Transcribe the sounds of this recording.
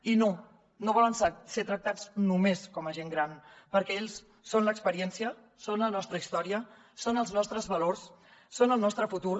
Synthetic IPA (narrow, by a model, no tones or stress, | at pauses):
ino | noβ̞ɔlənsaset̪ɾək̚t̪ad͡znumeskɔməʒeŋɡɾanpəɾkɛeʎsː | onləkspəɾiɛnsiə | sonlənɔst̪ɾəist̪ɔɾiə | sonəlˠznɔst̪ɾəzβəlors | sonəlˠnɔst̪ɾəfut̪uɾ